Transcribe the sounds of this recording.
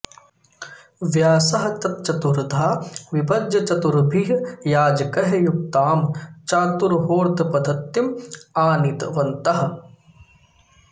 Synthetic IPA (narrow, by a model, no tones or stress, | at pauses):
ʋjaːsɐɦɐt͡ʃ̪ɐt̪̚t͡ʃɐt̪uɾd̪ʱaːʋipɐd͡ʒɐt͡ʃɐt̪uɾbʱiɦjaːd͡ʒɐkɐɦɐjukt̪aːmt͡ʃaːt̪uɾɦoːɾt̪pɐd̪ʱɐt̪ːimaːnit̪ʋɐnt̪ɐɦɐ̆